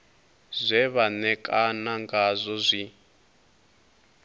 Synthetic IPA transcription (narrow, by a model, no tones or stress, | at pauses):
zʷɛβanɛkʼanaŋɡazʷɔzʷi